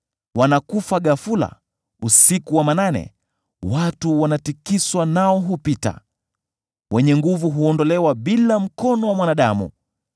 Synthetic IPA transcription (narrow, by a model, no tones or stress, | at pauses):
wanakufaɠafula̰ | usikuwamananɛ̰ | watuwanatikiswanaɔɦupita̰ | wɛɲɛŋɡuvuɦuɔndɔlɛwaɓilam̩kɔnɔwamwanaɗamṵ